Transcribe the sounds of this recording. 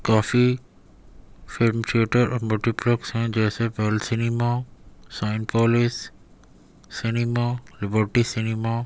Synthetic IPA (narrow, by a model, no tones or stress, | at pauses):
kaːfi | fɪlmt͡ʃʰeːʈəɾɔːmulʈiplɔksɦɛ̃d͡ʒɛːsepelsɪnimasaɪnpɔːlɪs | ɪnimalɪbəɾʈisɪnima